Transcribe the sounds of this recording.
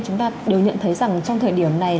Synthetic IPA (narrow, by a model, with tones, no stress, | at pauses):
t͡ɕʊ˨˦ŋ͡mt̪aː˧ɗe˨˩wɲə̰˧˨nt̪ʰə˨˦jza˨˩ŋt͡ɕɔ˧ŋ͡mt̪ʰəː˨˩jɗi˧˩əmna˨˩j